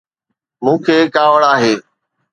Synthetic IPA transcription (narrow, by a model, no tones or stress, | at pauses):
mũːkʰeːkaːʋəɽaːɦeː